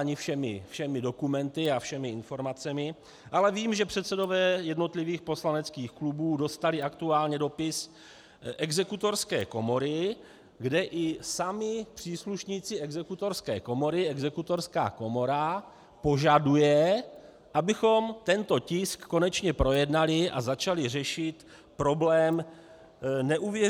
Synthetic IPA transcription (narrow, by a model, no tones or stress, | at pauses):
aɲɪfʃɛmɪ̰fʃɛmɪdo̞kumɛnt̪ɪafʃɛmɪɪnfo̞ɾmat͡sɛmɪ | ʔalɛviːmʒɛpr̝̥ɛt̪sɛdo̞vɛːjɛdno̞t̪lɪviːxpo̞slanɛt͡skiːxklubuːdo̞st̪alɪʔakt̪uaːlɲɛdo̞pɪs | ʔɛɡzɛkut̪o̞ɾskɛ̰ːko̞mo̞ɾɪ | ɡdɛʔɪsamɪpr̝̥iːsluʃɲiːt͡sɪɛɡzɛkut̪o̞ɾskɛ̰ːko̞mo̞ɾɪɛɡzɛkut̪o̞ɾska̰ːko̞mo̞ɾa | po̞ʒadujɛ | ʔabɪxo̞mt̪ɛnt̪o̞cɪskːo̞nɛt͡ʃɲɛpɾo̞jɛdnalɪʔa̰zat͡ʃalɪrɛʃɪt̪ | pɾo̞blɛːm | nɛʔuvjɛ